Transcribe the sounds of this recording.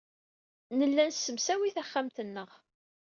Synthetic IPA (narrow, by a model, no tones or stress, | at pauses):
nəlːænsːəmsæwiθæχːæmt̪ənːəʁ